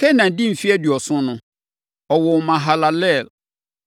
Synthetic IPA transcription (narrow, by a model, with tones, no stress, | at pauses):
kʰɛ˦nã˨n̩˨dĩ˦m̩˨fi˦ɛ˦dɥɔ˨sʊ̃˦nʊ̃˨ | ɔ˨wɔ˨mã˨ɦa˨la˨lɛ˦˨l